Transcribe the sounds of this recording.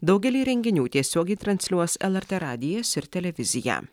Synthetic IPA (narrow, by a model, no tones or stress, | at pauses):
d̪ɐʊɡʲɛlʲiːɾʲɛŋʲɡʲɪnʲuːt̪ʲiɛsʲoːɡɛɪt̪ɾɐnʲsʲlʲuɔsɛlˠɛɾʲt̪ɛɾɑːd̪ʲɪjɛsɪɾt̪ʲɛlʲɛʋʲɪzʲɪjæ̰ː